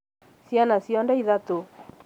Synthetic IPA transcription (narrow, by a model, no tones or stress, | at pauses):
sjanasiɔndaiðat̪o